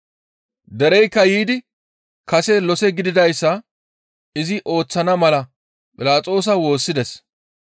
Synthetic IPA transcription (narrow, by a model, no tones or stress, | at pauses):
d̪ɛɾɛjkːɐjiːd̪ɪ | kɐsɛlɔsɛɡɪd̪ɪd̪ɐjsːɐ | ɪzɪʔo̞ːt͡sːɐnɐmɐlɐ | pʼɪlaːt͡sʼo̞ːs̬ɐwo̞ːsːɪd̪ɛs